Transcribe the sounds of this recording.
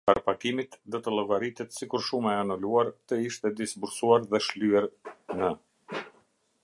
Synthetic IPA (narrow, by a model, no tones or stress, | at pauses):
paɾapakimit̪d̪ɔt̪əlˠɔɡaɾit̪ɛt̪sikuɾʃumɛanɔluaɾt̪əiʃt̪ɛd̪isbuɾsuaɾðɛʃlyɛɾnə